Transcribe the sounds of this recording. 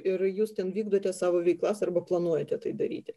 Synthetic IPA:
ɪɾjuːst̪ʲɛnʋʲiːɡd̪oːt̪ʲɛsɑːʋoːʋʲɛɪklˠɐsɐrbɐplˠɐnuɔjɛt̪ʲɛt̪ɐɪd̪ɐɾʲḭːt̪ʲɪ

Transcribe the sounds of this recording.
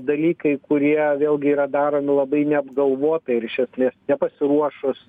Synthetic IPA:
d̪ɐlʲiːkɐɪkʊɾʲiɛʋʲeːlˠɡʲɪiːɾɐd̪ɑːɾoːmʲɪlˠɐbɐɪnʲɛɐbɡɐlˠʋoːt̪ɐɪɪɾɪʃʲɛsʲmʲeːsnʲɛpɐsʲɪɾuɔʃʊs

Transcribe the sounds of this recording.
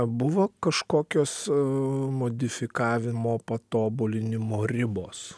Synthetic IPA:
bʊʋokɐʃkoːkʲoːs | moːd̪ʲɪfʲɪkɑːʋʲɪmoːpɐt̪oːbʊlʲɪnʲɪmoːɾʲɪboːs

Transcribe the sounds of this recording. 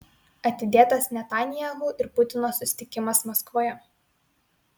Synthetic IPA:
ɐt̪ʲɪd̪ʲeːt̪ɐsnʲɛt̪ɑːnʲɪjɛluːʔɪɾpʊt̪ʲɪnoːsʊsʲɪ̥t̪ʲɪkʲɪmɐsmɐskʋoːjɛ

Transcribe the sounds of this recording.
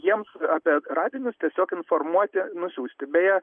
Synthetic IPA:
jiɛmsɑːpʲiɛrɑːd̪ʲɪnʲʊst̪ʲiɛsʲoːkɪnformuɔt̪ʲɪnʊsʲuːsʲt̪ʲɪbʲɛjɛ

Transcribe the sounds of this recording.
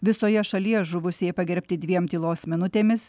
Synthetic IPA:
ʋʲɪsoːjɛʃɐlʲiɛʒʊʋʊsʲeːjɛpɐɡʲɛɾʲpʲt̪ʲɪd̪ʲʋʲiɛmt̪ʲiːlˠoːsmʲɪnʊt̪ʲeːmʲɪs

